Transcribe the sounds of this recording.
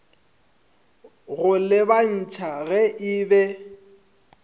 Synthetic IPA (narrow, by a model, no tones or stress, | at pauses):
ɣʊlɪban̩t͡ʃʰaɣɛʔɪːbɛ